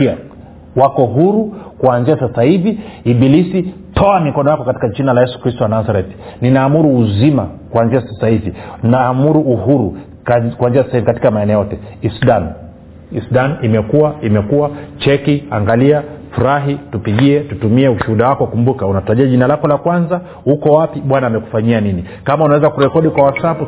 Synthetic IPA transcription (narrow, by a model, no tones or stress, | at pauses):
a | wakɔɦuɾukuanziasasahiviːɓilisi | tʰɔamikɔnɔjakɔkati̥kat͡ʃinalajɛsu̥kɾistɔwanazaɾɛtninaːmuɾuːzimakuanziasasahivinaːmuɾuʔuhuɾu | kkuanziasasaivikati̥kamaɛnɛɔjɔtɛisuɗan | isuɗanimɛkuwaimɛkuwat͡ʃɛkia̰ŋɡaliafuɾaɦitupiɠiɛtutumiɛuʃuhuɗawakɔkumbukaunatuɾaʄiaʄinalakɔlakwanza | hukɔwapiɓwanaːmɛku̥faɲianini | kamaunawɛzakuɾɛkɔɗikwawasapu